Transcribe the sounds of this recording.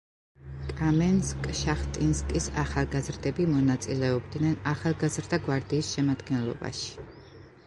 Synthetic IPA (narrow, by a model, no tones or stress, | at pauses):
kʼamɛnskʼʃaχt̪ʼinskʼisaχalˠɡazɾd̪ɛbimɔnat̪sʼilɛɔb̚d̪nɛnaχalˠɡazɾd̪aɡwaɾd̪iːsʃɛmad̪ɡɛnlˠɔ̰ba̰ʃi̥